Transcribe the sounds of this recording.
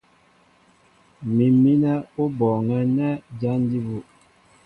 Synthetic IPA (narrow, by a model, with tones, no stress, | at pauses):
mi˨mi˦nɛ˦o˦bɔ˨ŋɛ˦nɛ˦d͡ʒa˦n˦di˦bu˨